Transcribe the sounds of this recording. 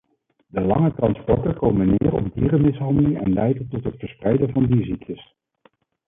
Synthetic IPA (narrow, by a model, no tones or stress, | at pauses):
dəlɑŋətrɑnspɔɹtəɹkowmənːɪːrɔ̰bdiːrəmɪsɦɑndəlɪŋɛ̰nlɛjdəntɔtɦətfəɹsprɛjdəvɑndiziktəs